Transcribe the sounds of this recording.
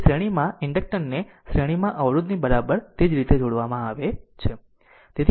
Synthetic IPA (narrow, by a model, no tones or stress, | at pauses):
sɾeɽ̃imãɪɳɖək̚ʈəɾneʃɾeɽ̃imãʔəʋɾud̪nibəɾabəɾt̪ed͡ʒɾit̪ed͡ʒoɽʋamãaʋet͡ʃʰe | t̪et̪ʰ